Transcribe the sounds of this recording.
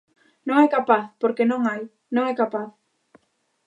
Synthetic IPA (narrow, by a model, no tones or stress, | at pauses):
nõŋɛkapaθpoɾkenõŋaj | nõŋɛkapaθ